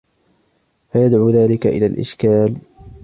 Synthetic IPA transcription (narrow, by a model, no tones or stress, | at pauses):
fajad̪ʕuːðaːlɪkaʔɪ̰laːlʔɪ̰ʃkaːl